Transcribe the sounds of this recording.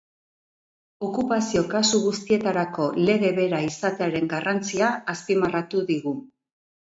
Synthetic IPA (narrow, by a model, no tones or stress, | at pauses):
o̞kupasio̞kasuɣ̞ust̪ie̞t̪aɾako̞le̞ɣe̞βe̞ɾaisat̪eaɾe̞ŋɡarant͡siaːspimarat̪uðiɣu